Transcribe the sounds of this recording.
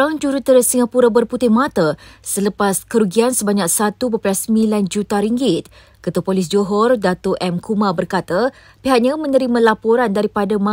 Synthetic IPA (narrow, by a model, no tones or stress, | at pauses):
aŋd͡ʒuɾut̪əɾəsiŋapuɾabərput̪ɪhmãt̪əsələpaskəɾuɡiansəbaɲak̚sat̪ubəpɾiasəmiland͡ʒut̪aɾiŋɡɪt̪̚ | kət̪uapolɪs̬d͡ʒoɦɔrdat̪oʔɛmkʰumãbərkat̪a | piɦak̚ɲamə̃nəɾimãlapoɾandaɾipadamã